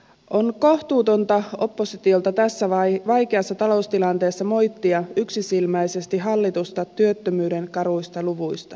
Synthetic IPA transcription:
ʔo̞nko̞ht̪uːt̪o̞nt̪ɑo̞pːo̞sit̪io̞lt̪ɑt̪æsːæʋɑʋɑjke̞ɑsːɑt̪ɑlo̞ust̪ilɑnt̪e̞ːsːɑmo̞jt̪ːiɑyksisilmæjse̞st̪iɦɑlːit̪ust̪ɑt̪yøt̪ːømyːde̞nkɑɾujst̪ɑluʋujst̪ɑ

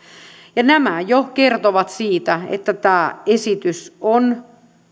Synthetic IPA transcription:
jɑnæmæjokert̪oʋɑt̪siːt̪æḛt̪ːæt̪æːesit̪yson

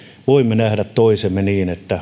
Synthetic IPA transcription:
ʋoimːenæhɾæt̪t̪oisemːeniːnet̪ːæ

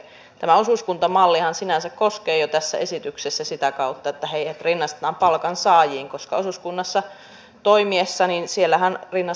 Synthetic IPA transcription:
t̪æmæo̞suskunt̪ɑmɑlːihɑnsinænsækko̞skeːjot̪æsːæ̰ʔesit̪yksesːæsit̪ækɑut̪ːɑet̪ːæheijhet̪rinːɑst̪e̥t̪ɑːmpɑlkɑnsɑːjiːŋko̞skɑo̞suskunːɑsːɑ | t̪oimiesːɑninsielːæhænrinːɑ

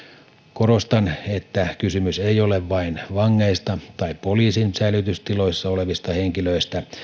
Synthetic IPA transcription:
ko̞ɾost̪ɑnet̪ːækysymyseijoleʋʋɑinʋɑŋːeːst̪ɑt̪ɑippoliːsinsæilyt̪yst̪ilo̞isːɑole̞ʋist̪ɑhe̞ŋkiløist̪æ

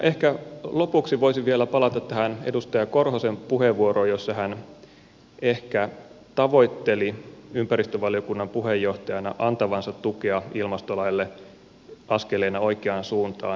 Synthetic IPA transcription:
nʔehkælopuksiʋo̞isiʋʋielæpɑlɑt̪ɑt̪ːæhænḛdust̪ɑjɑkorhosempuheʋʋuorojosːɑhæn | ehkæt̪ɑʋo̞it̪ːeliympæɾist̪øʋɑliokunːɑmpuɦhejːo̞ht̪ɑjɑnɑ̰ʔɑnt̪ɑʋɑnsɑt̪ːukeɑilmɑst̪olɑjlːe | ʔɑskeleːnɑoikeɑnsuːnt̪ɑ̰ː

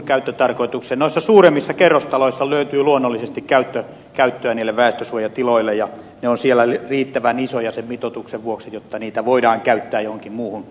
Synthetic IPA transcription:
kæyt̪ːøt̪ɑrkoit̪uksenoisːɑsuːremːisːɑkerːost̪ɑloisːɑløyt̪yːluonːolːisest̪ikkæyt̪ːø | kæyt̪ːøæniːlːeʋʋæˑest̪øsuojɑt̪iloilːejjɑ | neonsielːˑælriːt̪ːæʋænisojɑsemmit̪ot̪ukseʋʋuoksijot̪ːɑniːt̪æʋoidɑːŋkæyt̪ːæːjohoŋkimmuːhun

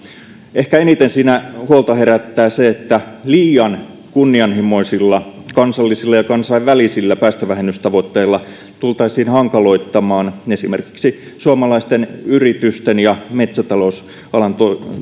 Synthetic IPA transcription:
ʔehkæenit̪ensiːnæhuolt̪ɑheræt̪ːæːseet̪ːæliːjɑn | kunːiɑnhimo̞isilːɑkɑnsɑlːisilːɑjɑkɑnsɑiʋʋælisilːæpæːst̪øʋæhenyst̪ɑʋot̪ːeilːɑ | t̪ult̪ɑisiːnhɑŋkɑlo̞it̪ːɑmɑːnesimerki̥ksi | suɑmɑlɑist̪enyrit̪yst̪enjɑmet̪sæt̪ɑlos | ɑlɑnt̪o

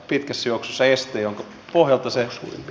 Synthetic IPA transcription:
pit̪kæsːjooksosːɑest̪ˑeːjoŋkɑ | pohjɑlt̪ɑsesṵːrḭmp

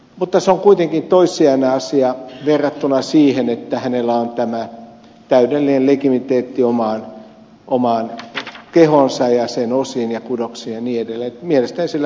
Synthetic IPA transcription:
mut̪ːɑseoŋkuit̪eŋkint̪oisˑiɑneɑsiɑʋerːɑt̪ːunɑsiːhenet̪ːæhænelːˑæont̪æmæ | t̪æydelːinellekimit̪eːt̪ːiomɑːˑn | ʔomɑːˑnkehonsɑjjɑsenosinjɑkudoksinjɑniːedelːæet̪mielest̪æninsilːæ

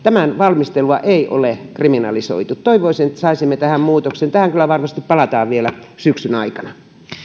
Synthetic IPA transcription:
t̪æmænʋɑlmist̪eluɑʔeiʔo̰lekriminɑ̰liso̰it̪ut̪t̪oiʋoisinet̪ːæsɑisimːet̪æhæmmuːt̪oksent̪æhæŋkylːˑæʋɑrmɑst̪ippɑlɑt̪ɑːʋʋielæsyksynɑikɑnɑ

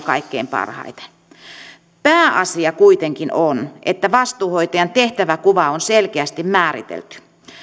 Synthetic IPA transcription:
kɑ̰ikːeimpɑ̰rhɑ̰it̪e̥ | pæːʔɑsiɑkuit̪eŋkinonʔḛt̪ːæʋɑst̪uːhoit̪ɑjɑnt̪eht̪æʋækuʋɑonselkeæst̪immæːɾḭt̪ḛlt̪y̥

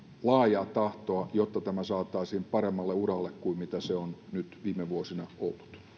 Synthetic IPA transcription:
lɑːjɑːtt̪ɑht̪oɑjot̪ːɑt̪æmæsɑːt̪ːˑɑisiːmpɑɾemːɑlːeurɑlːekkuimmit̪æseonnyt̪ʋiːmeʋuosinɑo̰lːut̪

